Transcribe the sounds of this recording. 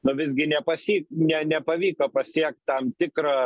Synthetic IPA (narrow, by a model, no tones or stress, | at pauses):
nʊʋʲɪzʲɡʲɪnʲɛpɐsʲiːk̚nʲɛnʲɛpɐʋʲiːkɐpɐsʲiɛk̚t̪t̪ɐmt̪ʲɪkɾɐ